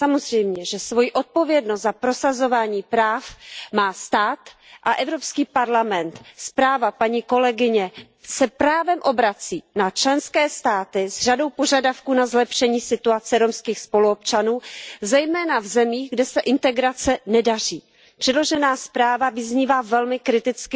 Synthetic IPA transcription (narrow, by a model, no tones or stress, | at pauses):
samo̞zrɛjmɲɛʒɛsvo̞jiʔo̞t̪̚po̞vjɛdnost̪zapɾo̞sazo̞vaːɲiːpɾaːfmaːst̪aːt̪ʔaʔɛvɾopskiːpaɾlamɛnt̪spɾaːvapaɲiːko̞lɛɡɪɲɛ | sɛpɾaːvɛmʔo̞bɾat͡siːnat͡ʃlɛnskɛːst̪aːt̪ɪzr̝ado̞wpoʒadafkuːnazlɛpʃɛɲiːsɪt̪uat͡sɛɾomskiːxspo̞luopt͡ʃanuːzɛjmɛːnavzɛmiːɣɡdɛsɛʔɪnt̪ɛɡɾat͡sɛnɛdar̝iː | pr̝̥ɛdlo̞ʒɛnaːspɾaːvavɪzɲiːvaːvɛlmɪkɾɪt̪ɪt͡skɪ